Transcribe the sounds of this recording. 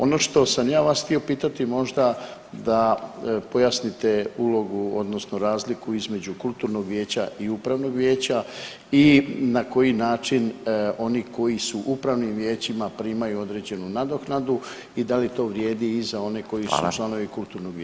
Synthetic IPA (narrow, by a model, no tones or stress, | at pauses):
o̞no̞ʃt̪o̞samjaːʋasxt̪io̞piːt̪at̪imo̞ʒd̪ad̪apjasnit̪e̞ulˠo̞ɡuo̞d̪no̞sno̞ɾaːzlikuizme̞d͡ʑukulˠt̪uːɾno̞ɡʋʲje̞ːt͡ɕaʔiupɾaʋno̞ɡʋje̞ːt͡ɕa | inako̞jinaːt͡ʃino̞niko̞jisuʔupɾaʋnimʋʲjeːt͡ɕimapɾiːmajuo̞d̪ɾe̞d͡ʑe̞nunad̪o̞xnad̪u | id̪alit̪o̞ːʋɾje̞ːd̪iːzao̞ne̞ko̞jisṵt͡ʃlˠano̞ʋikulˠt̪uɾnoɡʋj